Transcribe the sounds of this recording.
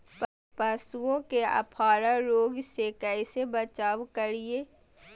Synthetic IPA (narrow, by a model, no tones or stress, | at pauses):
p | pə̃suõkeɐ̰pʰaːɾaɾoːɡsekɛɪsebɐt͡ʃaːʋkəɾieː